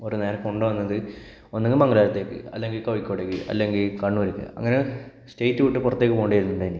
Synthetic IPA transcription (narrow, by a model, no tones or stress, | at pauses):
o̞ɾuneːɾɐkoɳɖɨʋɐnːɐðɨ | onːeŋɡɨmɐŋɡɐlaːɾɐt̪ːe̞ːkːɨ̰ɐlːe̞ŋɡilkɐʋikʲːoːɽeːkːɨʔɐ̰lːe̞ŋɡilkɐɳːuʋɐɾukːɨ̰ɐ̰ŋːɐne | sʈejtːɨʋiʈːɨpurɐt̪ːeːkːɨpoːɳɖɐjiɾunːuɳɖɐinik